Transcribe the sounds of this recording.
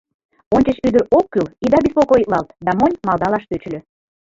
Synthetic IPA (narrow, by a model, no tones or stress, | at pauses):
onʲt͡ɕəʃyd̪əɾokːylid̪ɑbespokojək̪̚lɑlt̪d̪ɑmonʲmɑlˠd̪ɑlɑʃt̪øt͡ɕ̆lʲø